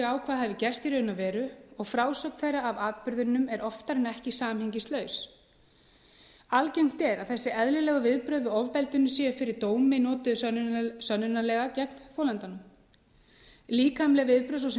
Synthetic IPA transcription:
aːwkʰvaːðɦɛvɪcɛr̥st̪iɾœʏnavɛːɾʏɔɣfɾaːwsœknθejɾaːvaːt̪̚pʏɾðʏnːʏmɛɾʔɔft̪aɾɛnɛhcɪsaːmhɛɲcɪst̪lœːɥs | alcejŋ̥t̪ɛɾaðθɛsːɪɛðlɪlɛːɣavɪðpɾœðvʏɔvpɛlt̪ʏnːʏsjɛʏfɪɾɪɾ̥t̪oːwmɪnɔːt̪ʏsœnːʏnalɛɣacɛknfowlɛnt̪anʏm | liːkamlɛɣvɪðpɾœðs̬ɔsɛ

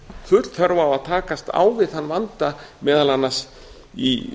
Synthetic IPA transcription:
θʏt̪l̥θʰœɾvaːwaðt̪ʰaːkast̪a̰ːwvɪðhanːvant̪amɛːðalanːas | ḭ

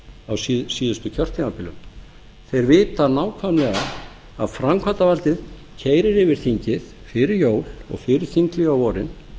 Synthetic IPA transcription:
awssiːðʏst̪ʏcʰœr̥t̪inapʰɪlʏm | θejɾvɪːt̪anaːwkʰvamlɛːɣa | aðfɾamkʰvat̪avalt̪ɪð | cʰeːjɾɪɾɪvɪɾ̥θiɲcɪð | fɪɾɪɾjoːwlɔ̰ɣfɪɾɪɾ̥θiŋklɪɣawvɔːɾɪn

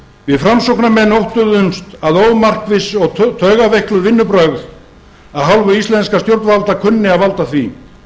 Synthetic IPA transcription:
vɪðfɾamsowknamɛnowht̪ʏðʏmst̪aðoːwmar̥kvɪsɔɣt̪ʰœːɣavɛhklʏɾvɪnːʏpɾœɣð | aðɦawlvʏist̪ɛnskast̪jowɾt̪nvalt̪akʰʏnːɪaðvalt̪aθvi

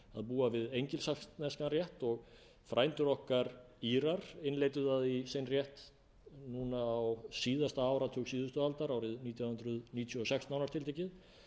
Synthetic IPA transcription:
aðpuːavɪðejɲcɪlsakst̪nɛskanrjɛht̪ɔɣ | fɾʔaːjnt̪ʏɾɔhkaɾ | iːɾaɾ̥ɪnlejt̪ʏðaðisejnrjɛht̪ | nunaːwsiːðast̪aaːwɾat̪ʰœːksiːðʏst̪ʏalt̪aɾawɾɪðniːt̪ʰjawhʏnt̪ɾʏðniːt̪ʰjɔɔsɛkst̪nawnaɾt̪ʰɪlt̪ejcɪð

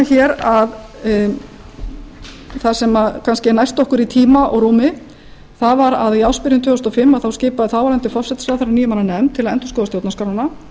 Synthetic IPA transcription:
açɛɾað | θasɛmakʰanscɪnajst̪ɔhkʏɾit̪ʰiːmaʔɔ̰ɣɾuːmɪ | θavaɾaðiawspɪɾjʏnt̪ʰœːɣʏst̪ɔfɪmːaðθawscɪːpaðɪθawvaɾlɛnt̪ɪfɔ̥sɛt̪sɾaθaɾaniːjʏmananɛmt̪ʰɪlaɛnt̪ɔ̥skɔwðast̪jowt̪naskaɾwana

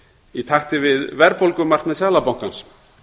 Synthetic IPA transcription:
it̪ʰaxt̪ɪvɪðvɛɾpolkʏmar̥k̪nmɛðsjaːðlapawŋ̥kans

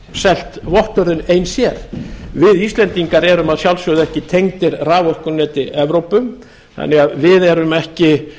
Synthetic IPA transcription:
sɛl̥t̪vɔht̪œɾðʏnejnsjɛɾvɪðist̪lɛnt̪iŋkaɾɛɾʏmaðsjawlsœɣðɛhcɪt̪ʰejŋt̪ɪɾraːvɔhkʏnɛːt̪ɪɛvɾowpʏm | θa̰nːɪɣaðvɪðɛɾʏmɛhcɪ

